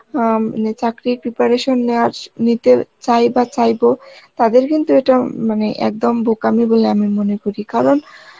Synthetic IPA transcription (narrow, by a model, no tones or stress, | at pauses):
net͡ɕakɾipɾipaɾeʃonːewaɾnit̪et͡ɕajbat͡ɕajbot̪ad̪eɾkint̪ueʈamaneʔɛ̰k̚d̪ombʱokamiboleamimonekoɾikaɾon